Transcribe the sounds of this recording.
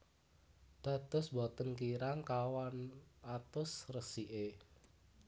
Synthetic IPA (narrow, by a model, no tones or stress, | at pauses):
d̪̥a̤t̪ʊ̤sbɔt̪ənkiɾaŋkawanat̪ʊsrəsiʔe